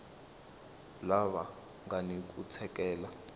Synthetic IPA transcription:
laβa | ŋɡanik̬ʼut͡sʰɛkɛːla

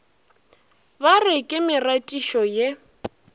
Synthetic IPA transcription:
barɪkʼɪmɪratʼiʃɔje

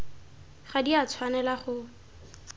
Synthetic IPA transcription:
χadiat͡sʰwanɛlaχʊ

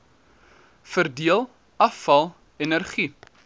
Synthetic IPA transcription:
fərdiəlˠ | ɐfɐlˠ | ɛnərχi

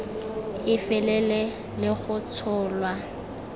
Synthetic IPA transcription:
ɪfɛlɛlɛ | lɪɣʊt͡sʰʊːlwa

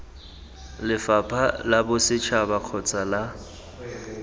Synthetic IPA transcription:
lɪfapʰʼalabʊsɪt͡ʃʰabaq͡χʰɔt͡sʼala

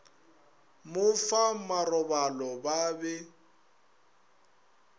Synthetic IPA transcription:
mʊfamarɔbalɔbaːbɛ

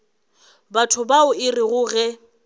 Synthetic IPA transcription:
batʰʊbaʊɪrɪɣʊɣɛ

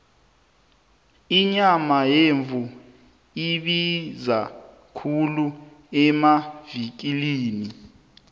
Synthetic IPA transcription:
iɲamajeɱvʱu | iɓiza | kʰulu | ɛmavik̬ʼiliːni

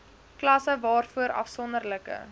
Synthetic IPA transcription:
klɐsəvɑːrfuəɾɐ̰fsɔndərləkə̰

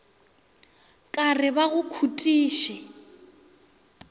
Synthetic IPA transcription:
kʼarɪbaɣʊkʰutʼiːʃɛ

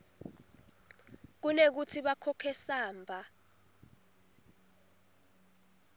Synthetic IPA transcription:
k̬unek̬utʰiɓakʰɔkʰɛsaːmbʱa

